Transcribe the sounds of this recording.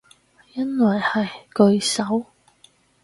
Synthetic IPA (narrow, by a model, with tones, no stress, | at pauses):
jɐ˥nwɐ˨˩jhɐ˨jkɵ˧ɥsɐ˨˥w